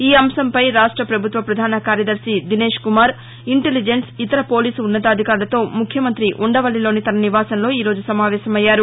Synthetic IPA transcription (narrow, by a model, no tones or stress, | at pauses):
iːɐmsɐmpɐjɾaːʂʈɾɐpɾɐbʱut̪ʋɐpɾɐd̪ʱaːnɐkaːɾjɐd̪ɐɾʃid̪ine̞ːʂkumaːɾ | iɳʈelid͡ʒensit̪ɐɾɐpo̞ːliːsunːɐt̪aːd̪ʱikaːɾulɐt̪o̞ːmukʰjɐmɐnt̪ɾiʔuɳɖɐʋɐlːilo̞ːnit̪ɐnɐniʋaːsɐnloːiːɾo̞ːd͡ʒusɐmaːʋɛːsɐmɐjːaːɾu